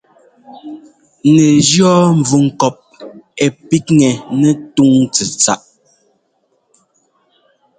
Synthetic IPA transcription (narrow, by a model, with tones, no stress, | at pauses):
nɛ˨d͡ʒjɔ˦ɱ̩˨vu˨ŋ̩˨kɔ˨p̚ɛ˨pi˦k̚ŋɛ˨nɛ˦tu˦ŋt͡sɛ˨t͡sa̰˦˨ʔ